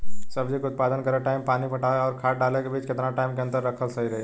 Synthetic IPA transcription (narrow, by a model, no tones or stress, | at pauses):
sɐbd͡ʒʱikʊt̪̚paːd̪ənkəɾeʈaːɪmpaːnipɐʈaːeɔːɾkʰaːʈɖaːlekebiːt͡ʃkɪt̪naʈaːɪmkeɐ̃nt̪əɾːɐkʰəlsɐɦiɾɐɦe